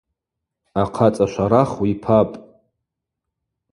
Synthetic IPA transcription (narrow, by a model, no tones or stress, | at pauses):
aqʰat͡sʼaʃʷaɾaχwipʰapʼ